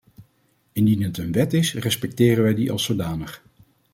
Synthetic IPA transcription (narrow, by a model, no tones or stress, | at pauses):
ɪndinɦətənʋɛtɪsrɛspɛk̚tɪːrənʋɛjdiʔɑ̰lˠsodaːnəχ